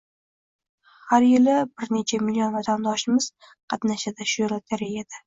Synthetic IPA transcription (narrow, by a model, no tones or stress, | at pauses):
haɾjɪlɪbɪɾne̞t͡ʃʰamɪlijonvat̪ʰand̪ɒʃɪmɪz̥ | qʰɑt̪naʃad̪aʃʊjɪlat̪ʰaɾejad̪ɪ